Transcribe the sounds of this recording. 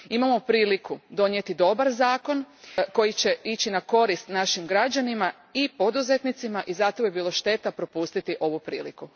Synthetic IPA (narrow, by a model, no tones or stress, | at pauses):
imamo̞pɾiːlikud̪o̞njet̪id̪o̞baɾzaːko̞nko̞jit͡ɕe̞it͡ɕinako̞ɾist̪naʃimɡɾad͡ʑanima | ipo̞d̪uze̞t̪nit̪simaʔizat̪ojebiːlˠo̞ʃt̪e̞t̪apɾo̞pust̪it̪iʔo̞ʋupɾḭːliku